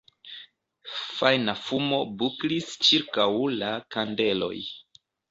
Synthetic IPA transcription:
fajnafumo̞buklist͡ʃiɾkawlakande̞lo̞̰j

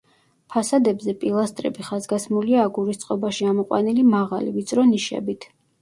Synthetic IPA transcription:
pʰasad̪ɛbzɛpʼilˠast̪ʼɾɛ̰biχazɡasmuliaːɡuɾist̪sʼqʼɔbaʃiamɔqʼwa̰nilimaʁalivit̪sʼɾɔniʃɛ̰bit̪ʰ

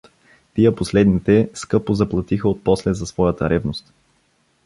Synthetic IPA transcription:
t̪iəposlɛd̪nit̪ɛskɤpozɐplˠɐt̪ixəot̪̚pɔslɛzɐsvɔjət̪əɾʔɛvnost̪

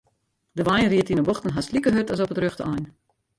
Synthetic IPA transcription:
dəʋajnriətinəboxtən̩ɦaslikəɦøtɔsɔpətrøxtəɔjn

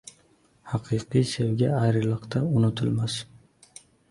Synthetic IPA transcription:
hɑqʰɨqɨjsewɡʲaajɾɪlˠɨqt̪ʰaʊnʊt̪ʰɪlmas

